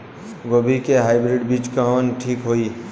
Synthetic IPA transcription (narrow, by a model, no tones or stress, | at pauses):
ɡobʱikeɦaːɪbɾiɖbit͡ʃkaɦonʈʰiːkɦoi